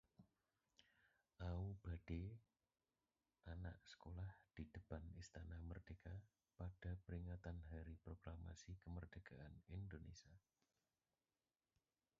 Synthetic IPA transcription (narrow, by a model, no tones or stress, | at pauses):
ʔaub̥a̤ɖ̥e | ʔana̰ʔsə̥kolahd̪̥i̤d̥ə̤panist̪anamərd̥e̤ka | pad̥a̤pəɾiŋat̪anɦaɾipɾoɡ̥ɾama̰sikəmərd̥ə̤ɡ̥aʔanind̪onesia